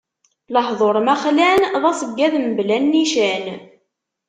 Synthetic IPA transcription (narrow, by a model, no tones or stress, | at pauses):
ləhðˤoɾˤmæχlænðˤɑsˤəɡːæðmblænːiʃæn